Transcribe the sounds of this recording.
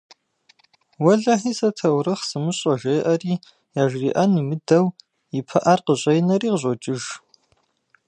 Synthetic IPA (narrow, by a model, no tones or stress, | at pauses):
wɐɮɐħisɐtʰɐwrɨχsɨmɨɕʼɐʒejʔɐriː | jaːʒriːʔɐnimɨdɐw | ipʰɐʔɐrqəʑʷʼɐjnɐriːqʑʷʼot͡ʃʼɪʒ